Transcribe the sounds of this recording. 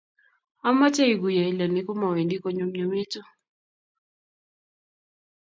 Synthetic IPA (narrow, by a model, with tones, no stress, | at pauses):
a˦ma˦t͡ʃɛ˦i˨ɡu˨ja˨i˨la˨ni˦kɔ˦ma˨wɛ˨ndi˦kɔ˨ɲo˨mɲo˨me˦tɔ˦